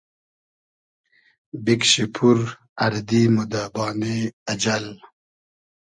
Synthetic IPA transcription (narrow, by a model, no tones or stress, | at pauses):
bikɕipʰuɾ | ɐɾd̪imud̪aːbɑːneɐd͡ʒal